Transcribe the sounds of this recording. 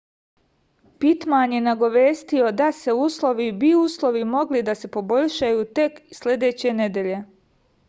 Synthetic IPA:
pit̪maɲje̞naɡo̞ʋeːst̪io̞d̪ase̞uːslˠo̞ʋibiuːslˠo̞ʋimo̞ɡlid̪ase̞po̞bo̞ʎʃajuːt̪e̞kslʲe̞d̪e̞ːt͡ɕe̞ned̪jeʎe̞

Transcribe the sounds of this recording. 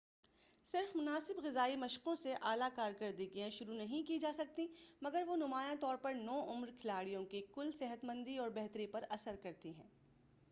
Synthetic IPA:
sɪɾfmʊnaːsɪbɣɪzaːimɐʃqõseʔaːlakaːɾkɐɾd̪iɡɐjẽʃʊɾunɐɦĩkid͡ʒaːsɐk̚t̪imɐɡəɾʋonʊmaːjãt̪ɔːɾpɐɾnɔːʔʊmɾkʰɪlaːɽijõkikʊlsɪɦət̪mɐ̃nd̪iɔːɾbɛɦt̪ɾipɐɾɐsəɾkɐɾt̪iɦɛ̃ː

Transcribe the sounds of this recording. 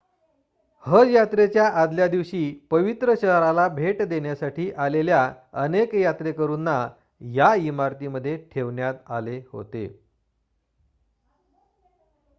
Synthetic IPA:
həd͡zjat̪ɾet͡ɕjaʔad̪ljad̪iʋɕiːpəʋit̪ɾəɕəɦɾalabʱeʈd̪eɳjasaʈiːʔalelja | ə̰nekjat̪ɾekəɾuːnːa | jaimaɾt̪iməd̪ʱːjeʈʰeʋɳjat̪aleho̰t̪ḛ

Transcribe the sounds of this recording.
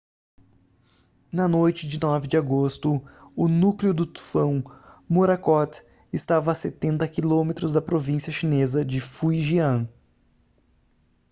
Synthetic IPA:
nɐnojt͡ʃɪd͡ʒɪnɔvɪd͡ʒɪaɡost̪ʊʊnuklɪʊd̪ʊt̪u̥fɐ̃w̃moɾakɔt̪ | ɪst̪avɐːset̪ẽnt̪ɐkilõmet̪ɾʊzd̪ɐpɾovĩsiɐʃinezɐd͡ʒɪfujʒiɐ̃

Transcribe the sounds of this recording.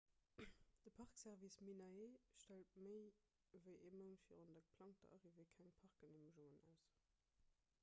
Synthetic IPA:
d̥əpʰɑʁksɛʁvisminɑeːʃtælt̚məɪ | vəɪʔeːɐmənfḭʁondəɡəpʰlɑŋktɐ̰ʔɑ̰ʁivəɪkʰæŋpʰɑʁk̚ɡəneməʒoŋənæ̰ʊs

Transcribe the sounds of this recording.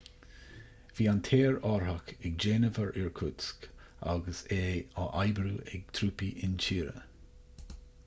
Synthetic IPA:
v̥iːantʰeːɹɔɹhakɛɡ̚d͡ʒeːnəvəɹʔɪɹkʰʊtsk | a̰ɡəseːaʔajbɾuːʔɛ̰ɡ̚t̪ʰɾuːpiʔɪnt͡ʃʰiːɾə̰

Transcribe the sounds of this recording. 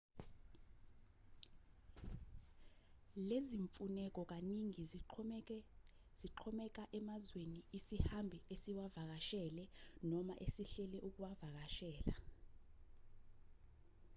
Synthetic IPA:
leziɱfunɛk̬ʼɔk̬aniŋi | z̥iǃʰɔmɛk̬ʼaʔɛmazweniːsihambʱiesiwavak̬aʃɛlɛnɔma̰ʔesiɬɛlɛʔuk̬uwavak̬aʃɛːla

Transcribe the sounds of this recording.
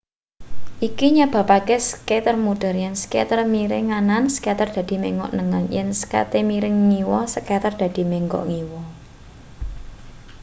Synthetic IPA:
ʔikiɲab̥ä̤pakɛsəket̪ərmuɖ̪̥ə̤rjɛnsket̪ərmiɾɪŋanansə̥kat̪ərd̪̥a̤d̪̥i̤meŋɔ̰ʔnəŋənjɛ̰nsə̥ka̰t̪emiɾɪŋːiwɔsəkat̪ərd̪̥ä̤d̪̥i̤meŋɡɔ̰ʔŋiwɔ

